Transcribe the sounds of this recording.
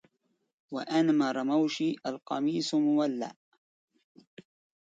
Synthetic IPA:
waʔanamaɾˤɑmawʃiːʔalqɑmiːsmʊwalːa̰ʔ

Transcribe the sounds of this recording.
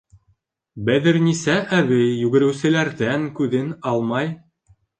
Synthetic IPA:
bæðɘɾnisæʔæβɘjːʉɡɘ̆ɾɘ̆wsɘ̆læɾðæŋkʉðɘnɑlˠmɑj

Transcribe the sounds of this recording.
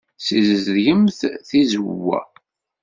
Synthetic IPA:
sizəzðʝəmθθizəwːæ̰

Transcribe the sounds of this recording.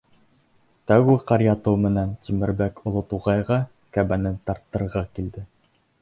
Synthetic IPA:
t̪æɡuqɑɾjɑt̪owmɘ̆nænt̪imɘ̆ɾbækŏlˠot̪uʁɑjʁɑ | kæbænɘnt̪ɑɾt̪ːɤ̆ɾʁɑkild̪ɘ

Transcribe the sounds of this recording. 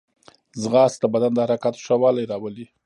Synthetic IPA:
zɣɑst̪abad̪and̪əhaɾɑkat̪ʂawɑlajɾɑwəli

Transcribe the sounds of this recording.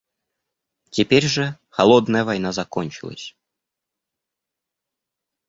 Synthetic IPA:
t͡sʲɛpʲeɾʲʐə | xalˠɔd̪nəjəvajnazakɔnʲt͡ʃɨlˠə̰sʲ

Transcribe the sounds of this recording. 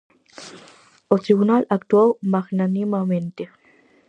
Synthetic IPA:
ot̪ɾiɡunalak̚t̪uawmaxnanimament̪e

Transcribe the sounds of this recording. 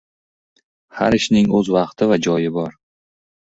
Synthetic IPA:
ha̰ɾɪʃnɪŋɵzvɑqt̪ʰɪvad͡ʒɒjɪbɒɾ

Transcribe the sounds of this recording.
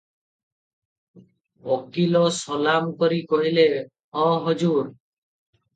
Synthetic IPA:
ɔkilɔsɔlamkɔɾikɔɦile | ɔ̃ɦɔd͡ʒuɾ

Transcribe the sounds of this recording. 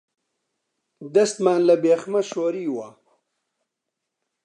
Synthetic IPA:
d̪ɐst̪maːnlabeːxmaʃoːɾiːwa

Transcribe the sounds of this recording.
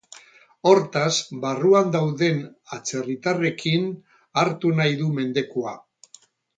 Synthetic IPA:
o̞ɾt̪azbaruand̪awðe̞nat͡se̞rit̪are̞kʰin | aɾt̪unajðume̞nd̪e̞kua

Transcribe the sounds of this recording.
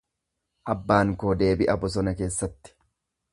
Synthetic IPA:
ʔɐbːaːŋkoːd̪e̞ːbɪʔɐbɔs̬ɔnɐke̞ːsːɐt̪ːɪ̥

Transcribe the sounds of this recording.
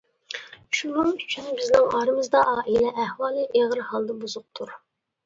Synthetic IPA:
ʃunɨŋyt͡ʃʰynbɪznɪŋɑːɾɨmɨzd̪ɑʔɑːʔilɛʔæhwɑːlˠɨʔeʁɾhɑlˠd̪ɑbuzʊq̚t̪ʰuɾ

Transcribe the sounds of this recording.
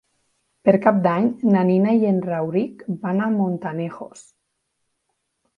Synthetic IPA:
peɾkap̚d̪aɲnaninajenrawɾikbanamont̪anexos

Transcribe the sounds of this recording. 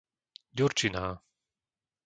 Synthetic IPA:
ɟuɾt͡ʃinaː

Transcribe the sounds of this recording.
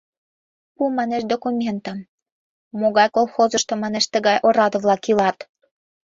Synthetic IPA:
pumɑneʃd̪okumʲent̪əm | moɣɑjkolˠxozə̆ʃt̪omɑneʃt̪ə̆ɣɑjʔoɾɑd̪ə̆βlɑkilɑt̪

